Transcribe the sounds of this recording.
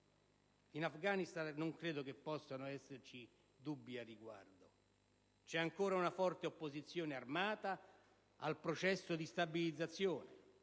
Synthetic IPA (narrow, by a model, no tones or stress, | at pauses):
inafɡaːnist̪anːoŋkɾeːd̪okepːɔsːanoɛsːert͡ʃi | d̪ubːiarːiɡwa̰rd̪o | t͡ʃɛaŋkoːɾaunafɔrt̪eopːozit̪sːjoːnearmaːt̪a | alpɾot͡ʃɛsːod̪ist̪abilid̪zːat̪sːjoːne